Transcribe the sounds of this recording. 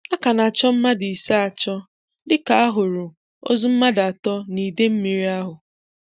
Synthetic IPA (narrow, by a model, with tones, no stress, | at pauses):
a˦ka˨na˨t͡ʃɔ˦m̩˦ma˦di˨i˨sa˦a˨t͡ʃɔ˦ | dɪ˦ka˨a˦ɦʊ˨ɾʊ˨ | o̰˦zu˦m̩˦ma˦da˨tɔ˦ni˨de˦m̩˦mi˨ɾi˦a˦ɦʊ˨